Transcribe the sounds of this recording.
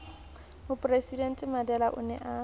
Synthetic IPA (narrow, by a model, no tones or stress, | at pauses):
hʊpʼresidɛn̩tʼɪmadɛlaʔʊ̰nɛ̰ʔa